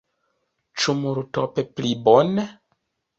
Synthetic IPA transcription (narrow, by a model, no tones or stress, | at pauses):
t͡ʃumuɾutopeplibone